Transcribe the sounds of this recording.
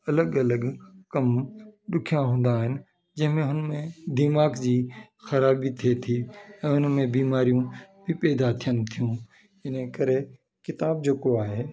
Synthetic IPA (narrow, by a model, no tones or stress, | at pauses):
ɐləɡɐləɡkɐmɗʊkʰjãɦũːn̆d̪aːɦɪnɪ | d͡ʒɪɦmẽɦʊnmẽd̪imaːkd͡ʒiː | xɐɾaːbit̪ʰet̪ʰiɛ̃ːʊnmẽbiːmaːɾijũbʱipɛːd̪at̪ʰijənt̪ʰijũː | ɪnẽkəɾe | kɪt̪aːb̚d͡ʒoːkoaːɦe